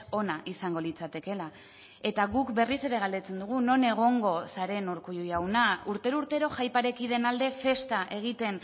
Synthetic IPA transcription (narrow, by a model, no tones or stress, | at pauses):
o̞naʔisaŋɡo̞lit͡sat̪e̞ke̞la | e̞t̪aɣukbe̞rise̞ɾe̞ɣald̪e̞t͡se̞nd̪uɣ̞uno̞ne̞ɣ̞o̞ŋɡo̞saɾe̞noɾkujujawnauɾt̪e̞ɾuuɾt̪e̞ɾo̞ʝajpaɾe̞kið̞e̞nald̪e̞fe̞st̪aʔe̞ɣ̞it̪e̞n